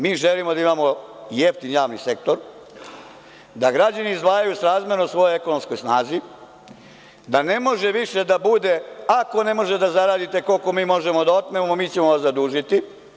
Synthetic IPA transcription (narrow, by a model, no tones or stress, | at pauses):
miːʒelimo̞d̪aimamo̞ | jeft̪injaːʋnḭse̞kt̪o̞ɾ | d̪aɡɾad͡ʑaniːzd̪ʋaːjajusɾaːzmeɾosʋo̞joe̞ko̞no̞msko̞jsnaːzi | d̪ane̞mo̞ʒe̞ʋiʃe̞d̪abud̪e̞ako̞ne̞mo̞ʒed̪azaɾaːd̪it̪e̞ko̞lko̞miːmo̞ʒe̞mo̞d̪ao̞t̪memammiːt͡ɕe̞moʋasad̪uːʒit̪i